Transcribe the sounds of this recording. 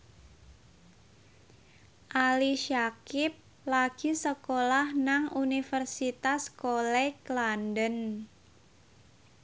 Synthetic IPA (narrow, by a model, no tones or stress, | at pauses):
ʔaliʃakɪp̚ | laɡ̥isəkolahnaŋunifərsit̪askolɛklandən